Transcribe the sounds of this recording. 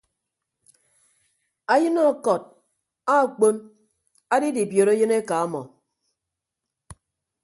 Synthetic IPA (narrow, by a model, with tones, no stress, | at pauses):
a˦jɨ˦nɔ˦˨kɔ˨t̚ | a˦˨k͡po˦n | a˦di˦di˨bjo˨ɾe˦jɨ˦ne˦ka˨a˦mɔ˨